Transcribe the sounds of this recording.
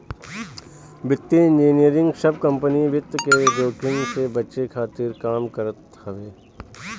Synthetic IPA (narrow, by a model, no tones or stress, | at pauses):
bɪt̪ːiɪ̃nd͡ʒiːnijəɾɪ̃ŋɡʃɐb̚kɐ̃mpəniʋɪt̪ked͡ʒoːkɪ̃ŋɡsebɐtːʃekʰaːt̪ɪɾkaːmkəɾət̪ | hɐʋeː